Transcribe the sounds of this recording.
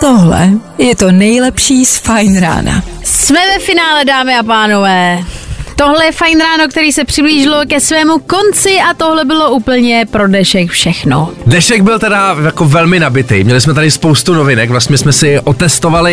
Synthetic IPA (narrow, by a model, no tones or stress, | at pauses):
t̪oɦlɛ̰jɛt̪onɛjlɛpʃiːsfajnɾa̰ːna̰ | smɛvɛfɪnaːlɛdaːmɪapaːno̞vɛːt̪o̞ɦlɛjɛfajnɾaːno̞k̚t̪ɛɾiːsɛpr̝̥ɪbliːʒɪlo̞kɛsvɛːmuko̞nt͡sɪat̪o̞ɦlɛbɪlo̞ʔuːpl̩ɲɛpɾo̞dɛʃɛkfʃɛxnodɛʃɛɡ̚bɪlt̪ɛdajakovɛlmɪnabɪt̪ɛ̰jmɲɛlɪsmɛt̪adɪspo̞wst̪unovɪnɛkvlast̪ɲɛsmɛsɪʔot̪ɛst̪o̞valɪ